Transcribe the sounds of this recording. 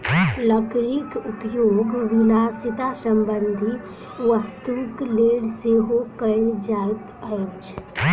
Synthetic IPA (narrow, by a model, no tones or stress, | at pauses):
ləkɾikʊpjoːɡʋɪnaːsɪt̪asəmbənd̪ʱi | ʋəst̪ukleːɽseɦokəɾd͡ʒaːt̪ət͡ʃ